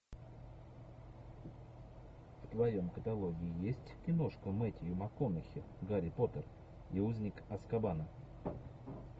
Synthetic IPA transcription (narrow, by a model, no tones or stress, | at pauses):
ft̪vɐjo̞mkət̪ɐlˠo̞ɡʲɪːjesʲtʲnʲɪmnoʂkəmɛtʲɪjʊmɐkonəxʲɪ | ɡaɾʲɪpo̞t̪ər | iuzʲnʲɪkɐskɐbanə